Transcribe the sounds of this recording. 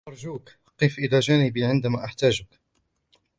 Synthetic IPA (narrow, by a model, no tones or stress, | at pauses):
ʔɑɾˤʒuːk | qiːfʔɪlaːʒaːnɪbiːʕɪnd̪amaːʔaħt̪aːd͡ʒʊk